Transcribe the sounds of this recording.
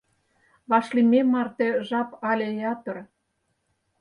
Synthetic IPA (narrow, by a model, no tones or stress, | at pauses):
βɑʃlimʲemɑrt̪ĕʒɑpɑlʲejɑt̪ɤ̆r